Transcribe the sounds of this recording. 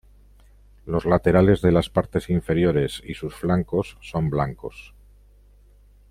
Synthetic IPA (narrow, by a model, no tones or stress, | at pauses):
lo̞zlat̪e̞ɾale̞zðe̞laspaɾt̪e̞siɱfe̞ɾjo̞ɾe̞sisusflaŋko̞sːo̞mblaŋko̞s